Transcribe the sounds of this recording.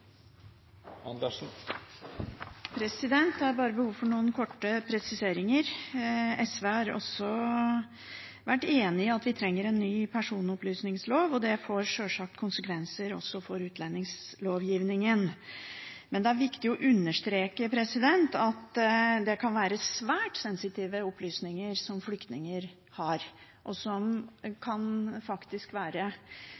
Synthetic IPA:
ɑnd̪ən̩ | pʰɾɛsɪd̪ɛnt̪ɑɾbɑːɾəbəhuːʋfɔɳuːənkʰɔʈːəpʰɾɛsɪseːɾɪŋəɾ | ɛsʋeːhɑɾɔ̰sːɔ | ʋæʈːeːnɪɑt̪ʋɪt̪ʰɾɛŋːəɾɛnːyːpʰæʂuːnɔplyːsnɪŋsloːʋɔd̪ɛfoːɾʂøːʂɑk̚t̪kʰʊnsəkʰʋɛnsəɾɔ̰sːɔfɔɾʉːt̪ʰlɛnːɪŋsloːʋjiːʋnɪŋən | mɛnd̪ɛæɾʋɪkt̪ɪɔʔʉnːəʂt̪ɾeːkəpʰɾɛsɪd̪ɛnt̪ɑt̪d̪ɛkʰɑnʋæːɾəsʋæːʈsɛnsɪt̪iːʋəɔplyːsnɪŋəɾsɔmflʏkt̪nɪŋəɾ | hɑɾ | ʔɔsɔmkʰɑnfɑkt̪ɪskʋæːɾə

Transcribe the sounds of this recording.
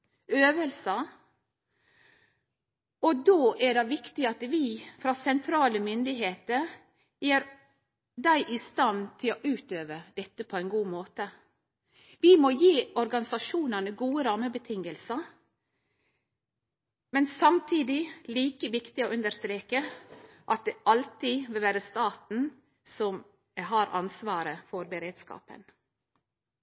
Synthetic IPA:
øːʋəlsə | ɔd̪oːʔæɖɛʋɪkt̪ɪɑt̪ʋifɾɑːsɛnt̪ʰɾɑːləmʏnd̪ɪɦeːt̪əɾ | jeːɾ | d̪æɪʔɪst̪ɑnt̪ʰɪloʔʉːt̪øːʋəd̪̥ɛt̪ːəpʰɔɛɪnɡuːmoːt̪ə | ʋɪmojiːɔɾɡɑnɪsɑʃuːnɑnəɡuːəɾɑməbət̪ʰɪŋːəlsə | mɛnsɑmt̪ʰiːd̪ɪliːkəʋɪkt̪ɪoːʔʉnd̪əɾst̪ɾeːkə | ʔɑt̪̚d̪ɛʔɑlt̪ɪʋɪlʋæːɾəst̪ɑːt̪n̩ | sɔm | ɦɑɾɑnsʋɑːɾəfɔɾbəɾeːd̪skɑ̰ːpə̰n

